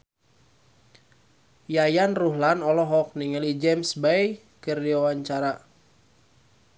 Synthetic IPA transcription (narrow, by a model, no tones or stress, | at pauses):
jajanruɦlanɔlɔɦɔk̚niŋəlid͡ʒɛmsbaj | kərdiwawaɲt͡ʃaɾa